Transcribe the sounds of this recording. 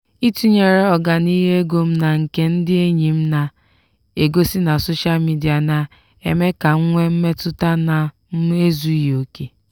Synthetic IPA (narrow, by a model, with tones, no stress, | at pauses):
i˦tu˦ɲe˨ɾe˦ɔ˦˨ɡa˨ni˦ɦe˦e˦ɡo˦m̩˦na˨ŋ̩˨ke˦n̩˦dɪ˦e˦ɲi˨m̩˦na˨ | e˨ɡo˦si˦na˨so˦ʃa˦lmi˦di˨a˨na˨ | e˦˨me˦ka˨ŋ̩˦ŋʷe˦m̩˦me˦tʊ˦ta˦na˨˦ | e˦zu˦jo˨ke˦